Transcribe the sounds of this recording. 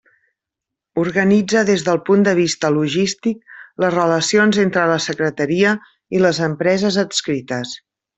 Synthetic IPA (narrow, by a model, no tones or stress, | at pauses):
uɾɣənid͡zəðezðəlˠpund̪əβ̞ist̪əluʒist̪ik̚ləzrələsionzent̪ɾələsəkɾət̪əɾiə | iləzəmpɾɛzəzətskɾit̪əs